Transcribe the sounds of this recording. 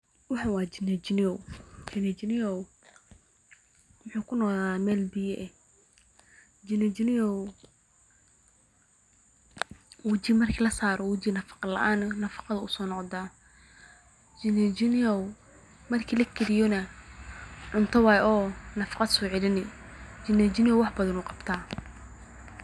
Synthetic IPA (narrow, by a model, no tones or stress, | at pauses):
wɑħɑwɑːd͡ʒɪnɛd͡ʒɪnɪɔwd͡ʒɪnɛd͡ʒɪnɪjɔw | wʊħuːkʰʊnɔqðaamɛːlbɪjɛʔɛ | d͡ʒɪnɛd͡ʒɪnɪjɔw | wɐt͡ʃɪmɐrkʰiːlɐsaːɾɔwʊt͡ʃɪnɐfɑ̥qɑlɐ̰ʔaːnnɐfɑ̥qɑðɐʊsɔːnɔqd̪aː | d͡ʒɪnd͡ʒɪnɔ | mɐrkʰiːlɐkʰɪɾɪjɔnɐ | ʕʊnt̪ʰɐwaːjʔɔːnɐfɑ̥qɑd̪sɔːʕɪlɪnɪd͡ʒɪnɛd͡ʒɪnɪjɔwɑħbɐðɐnʊːqɑb̥t̪ʰaː